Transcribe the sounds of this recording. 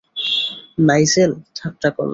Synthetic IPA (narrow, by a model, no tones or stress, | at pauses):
najseltʰak̚ʈakɔ̰l